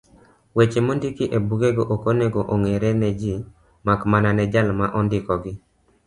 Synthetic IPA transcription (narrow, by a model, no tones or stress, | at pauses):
wet͡ʃemondikiʔebuɡeɡoʔokoneɡoʔoŋeɾɛnɛd͡ʒi | makmananɛd͡ʒalmaʔɔndɪkɔɡɪ